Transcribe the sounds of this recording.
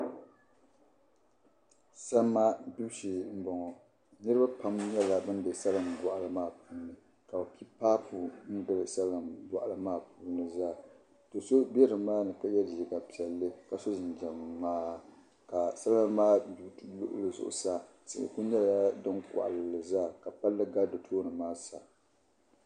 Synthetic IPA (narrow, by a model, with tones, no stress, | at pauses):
sa˦mːa˦du˦ʃi˨m̩˦bɔ˨ŋɔ˨ | nɨ˦ɾɨ˦ba˦pa˦mɲɛ˦la˨bɨ˦ndɨ˨sa˦lɨ˨mbɔ˨ʔa˨lɨ˦maː˦˨puː˦nɨ˨ | ka˨a˨pʰi˦paː˦pu˨n̩˦dɨ˨ɾɨ˨sa˦lɨ˨mbɔ˨ʔa˨lɨ˦maː˦˨puː˦nɨ˨zaː˦ | to˨so˦bɛ˦ɾɨ˨maː˦nɨ˨pa˦jɛ˦di˨ji˨ɡa˨pi˨ɛ˨lːɨ˦ka˨so˦zɪ˨nd͡ʒɛ˨mː˨aː˦ | ka˨sa˦lmaː˦bi˦lʊ̰˦ʔʊ̰˦lɨ˨zʊ̰˨ʔʊ̰˨sa˦ | sɪ̰˨ʔɪ̰˨ku˦ɲɛ˦la˨ja˦dɨ˦ŋka̰˨ʔa̰˨lɨ˨lɨ˨zaː˦˨ka˨pa˦lːɨ˦ɡa˦do˨tʰoː˦nɨ˨maː˦sa̰˨